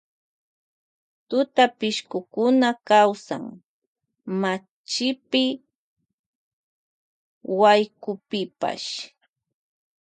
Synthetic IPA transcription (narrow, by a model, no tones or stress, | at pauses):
t̪ʊt̪apɪʃkʊkʊnakawsa̰ŋ | ma | t͡ʃɪpɪ | wajkʊpɪpa̰ʃ